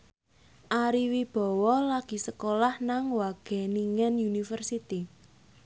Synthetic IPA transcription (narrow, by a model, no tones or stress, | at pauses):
ʔaɾiwib̥ɔ̤wɔlaɡ̥i̤səkolahnaŋwaɡ̥ɛ̤niŋɛnunifərsit̪i